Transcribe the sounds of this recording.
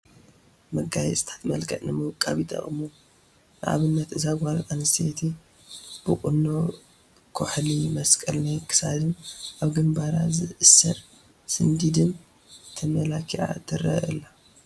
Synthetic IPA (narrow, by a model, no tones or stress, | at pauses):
mɐɡajɛsʼɨt̪ʰḁt̪mɐlkʰɐʔnɨmɨβɨkʼːaβit̪ʰʼɐ̰χʼɨmu | nɨʔa̰βɨnːɐt̪ɨzaɡʷaɾt̪ʼanɨst̪ʰet̪ʰi | b̥ɨkʼʊnːo | kʰuħlimɐskʼɐlnajkʰɨ̥sad̪ɨnʔaβɡɨmbaɾazɨʔɨsːɐ̰ɾ | sɨnd̪id̪ɨn | t̪ʰɐmɐlakʰia̰t̪ʰɨɾɐ̰ɨ̰la